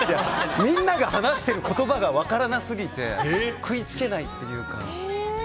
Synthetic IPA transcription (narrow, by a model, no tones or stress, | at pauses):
jamʲĩnːaɡahanaɕi̥t̪e̞ɾɯ̟ko̞t̪o̞baɡaβakaɾanasɨɡʲit̪e̞̰kɯ̟it͡sɨ̥ke̞nait̪ːe̞jɯ̟ːka̰